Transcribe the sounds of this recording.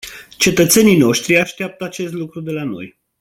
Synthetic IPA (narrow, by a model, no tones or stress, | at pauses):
t͡ʃe̞t̪ət̪se̞nijno̞ʃt̪ɾiaʃt̪eap̚t̪əat͡ʃe̞st̪lukɾud̪e̞lano̞̰j